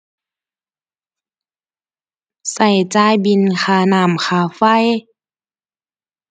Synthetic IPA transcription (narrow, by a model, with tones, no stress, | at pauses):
sa˧˩jt͡ɕaː˧jbi˧˨nxʰaː˧naː˧˩mxaː˧˩fa˧˩˨j